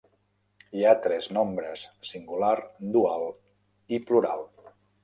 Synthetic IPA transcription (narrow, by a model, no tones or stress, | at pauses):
iat̪ɾɛznombɾəsːiŋɡulaɾd̪ualˠ | ipluɾalˠ